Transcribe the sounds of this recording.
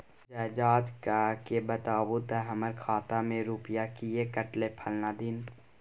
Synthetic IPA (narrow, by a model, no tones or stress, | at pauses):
d͡ʒaːd͡ʒaːd͡ʒkakebət̪aːwʊt̪ɛɦəməɾkʰaːt̪amẽɾuːpjakiekəʈlepʰəlnad̪ɪn